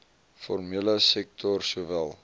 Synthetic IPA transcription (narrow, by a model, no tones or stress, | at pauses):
fɔrmiələsɛk̚tʰɔrsuəvælˠ